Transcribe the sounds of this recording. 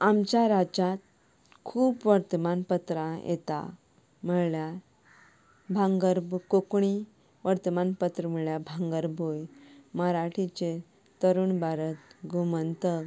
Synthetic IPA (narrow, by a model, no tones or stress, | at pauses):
amt͡ɕjaɾad͡ʑat̪̚ | kʰuːpʋəɾt̪əmanpət̪ɾãjḛt̪a̰ | məɭja | bʱãŋɡəɾbkokɳi | ʋəɾt̪əmanpət̪ɾəm̤əɭɭjabʱãŋɡəɾbojməɾaʈʰit͡ɕe | t̪əɾuːnbaɾət̪ɡumənt̪əɡ